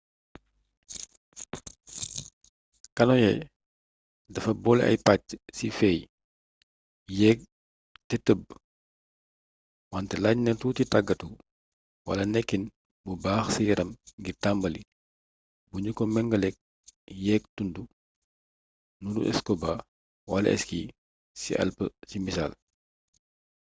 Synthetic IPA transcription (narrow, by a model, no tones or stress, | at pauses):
kɐnɔjɛ | dɐfɐbɔlɛ̰ʔɐ̰jpac̚sifɛj | jɛːk̚ | tɛtəb̚ | wantɛlaɲnɛtutitaɡɐtu | wɐ̰lɐnɛkːin | bubaːxsijɐɾɐmɡitambɐli | buɲukɔmɛŋɡɐlɛk̚ | jɛːk̚tundu | nunṵʔɛ̰skɔba | wɐlɐ̰ʔɛ̰ski | sḭʔɐ̰lpəsimisa̰ːl